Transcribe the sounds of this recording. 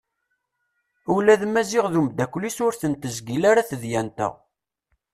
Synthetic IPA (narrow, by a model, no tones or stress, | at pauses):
ulæðmæziʁðumd̪ækʷːlisʊɾθənt̪əzɡilaɾaθəðjænt̪ə̰ʁ